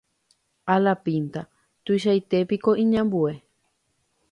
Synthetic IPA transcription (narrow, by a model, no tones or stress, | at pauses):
alapint̪a | t̪uiʃ̬ajt̪e̞pikoʔĩɲãmbue